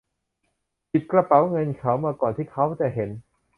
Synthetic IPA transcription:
pi˨˩t̪̚kɾa˧pa˩˦wŋɤ˧nkʰa˦˥wmaː˧kɔː˨˩nt̪ʰiː˥˩kʰa˦˥wt̪ɛː˨˩ɦe˩˦n

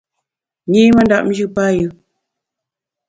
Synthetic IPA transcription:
ɲi˦ma˦nda˦ʔm̩˦ʒɨ˦pa˦jɨ˨

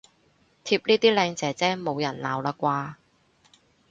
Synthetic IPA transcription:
t̪ʰiː˧p̚liː˥t̪iː˥lɛː˧ŋt͡sɛː˨˩t͡sɛː˥mo˨˧wjɐ˨˩nla̰ː˨˧wlaː˧kʷwaː˧

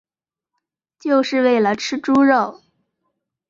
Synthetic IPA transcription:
t͡ɕjo˥˧ʊʂɻ̩˥˧we˥˩ɪlə˩ʈ͡ʂʰɻ̩˥ʈ͡ʂu˥ɻo˥˩ʊ

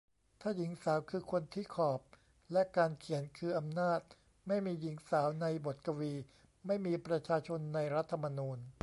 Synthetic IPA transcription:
t̪ʰaː˥˩ji˩˦ŋsaː˩˦wkʰɯː˧kʰo˧nt̪ʰiː˥˩kʰɔː˨˩p̚ | lɛ˦˥kaː˧nkʰi˨˩˦ənkʰɯː˧ʔa˧mnaː˥˩t̪̚ | ma˥˩jmiː˧ji˩˦ŋsaː˩˦wna˧jbo˨˩t̪̚ka˧wiː˧ | ma˥˩jmiː˧pɾa˧t͡ɕʰaː˧t͡ɕʰo˧nːa˧jɾa˦˥t̪ʰːa˧ma˧nuː˧n

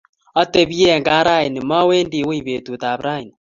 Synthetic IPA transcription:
a˦te˨βi˦e˦˨ŋɡa˦ɾa˦i˨nɪ˨ma˦we˦ndi˨we˦i˨βe˨t̪u˨t̪a˨βɾa˦i˨ni

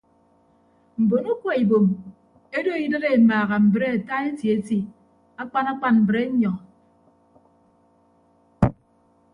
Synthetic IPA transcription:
m̩˨bo˨nu˦kʷo˨i˨bo˨m | e˦do˦i˦dɨ˦ɾe˦˨maː˨ɣa˨m̩˨bɾe˦a˨ta˦e˦ti˨e˦ti˨ | a˦k͡pa˦na˦k͡pa˦˨nm̩˨bɾe˦ɲɔ˨

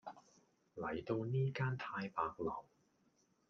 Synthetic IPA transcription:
lɐ˨˩jt̪o˧wniː˥kaː˥nt̪ʰaː˧jpaː˧k̚lɐ˨˩w

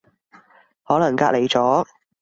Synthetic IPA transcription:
hɔː˨˥lɐ˨˩ŋkaː˧le˨˩jt͡sɔː˨˥

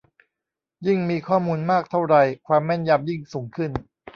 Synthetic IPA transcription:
ji˥˩ŋmiː˧kʰɔː˥˩muː˧nmaː˥˩k̚t̪ʰa˥˩wɾa˧jkʰwaː˧mːɛ˥˩nja˧mji˥˩ŋsuː˩˦ŋkʰɯ˥˩n

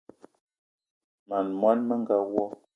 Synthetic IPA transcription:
ma˨nmwa˦nmə˦ŋ˨ɡa˦wɔ˦

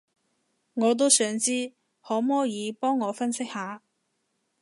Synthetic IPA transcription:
ŋɔː˨˧t̪̬o˥wsœː˨˥ŋt͡siː˥ | hɔː˨˥mɔː˥jiː˨˧pɔː˥ŋːɔː˨˧fɐ˥nsɪ˥k̚haː˨˧

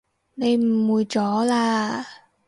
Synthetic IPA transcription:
ɗe˧jmu˨˩jt͡ɕɔ˨˦laː˨˩

